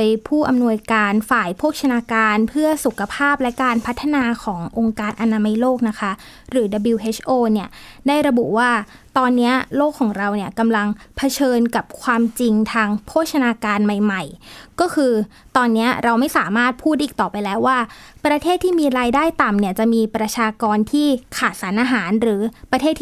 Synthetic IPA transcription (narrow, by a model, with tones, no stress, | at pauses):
jpʰuː˥˩ʔa˧mnu˧əjkaː˧nfaː˨˩jpʰoː˥˩ək̚t͡ɕʰa˧naː˧kaː˧npʰɯ˥˩ɐsu˨˩kʰːa˧pʰaː˥˩p̚lɛ˦˥kaː˧npʰa˦˥t̪ʰːa˨˧naː˧kʰɔː˩˦ŋʔo˧ŋkaː˧nʔa˧naː˧ma˧jloː˥˩k̚na˦˥kʰa˦˥ɾɯː˩˦da˧bi˧wʔeː˦˥t͡ɕʰʔoː˥˩ni˥˩ɐdaː˥˩jɾa˧bṵ˨˩waː˥˩ | t̪ɔː˧nːi˦˥ɐloː˥˩kʰːɔː˩˦ŋɾa˧wni˥˩ɐka˧mla˧ŋpʰa˧t͡ɕʰɤː˧nka˨˩p̚kʰwaː˧mt͡ɕi˧ŋt̪ʰaː˧ŋkʰoː˥˩t̪̚t͡ɕʰa˧naː˧kaː˧nma˨˩jma˨˩jkɔː˥˩kʰɯː˧ | t̪ɔː˧nːi˦˥ɐɾa˧wma˥˩jsaː˩˦maː˥˩t̪̚pʰuː˥˩t̪̚ʔiː˨˩k̚t̪ɔː˨˩pa˧jlɛː˦˥wːaː˥˩pɾa˧t̪ʰeː˥˩t̪ʰːiː˥˩miː˧ɾaː˧jdaː˥˩jt̪a˨˩mni˥˩ɐt͡ɕa˨˩miː˧pɾa˧t͡ɕʰaː˧kɔː˧nt̪ʰiː˥˩kʰaː˨˩t̪̚sa˩˦nʔaː˧ɦaː˩˦nɾɯː˩˦pɾa˧t̪ʰeː˥˩t̪ʰ